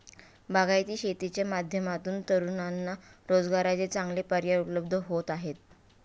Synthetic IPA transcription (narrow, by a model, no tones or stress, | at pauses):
baɡajt̪iːɕet̪it͡ɕjamad̪ʱjəmat̪uːnt̪əɾunanːaɾod͡zɡaɾat͡set͡sãŋɡlepəɾjaupləb̚d̪ʱəɦot̪aɦet̪̚